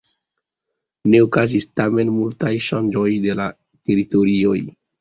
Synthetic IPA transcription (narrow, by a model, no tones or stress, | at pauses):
ne̞okazistame̞nmultajʃand͡ʒo̞jde̞la | te̞ɾitoɾio̞j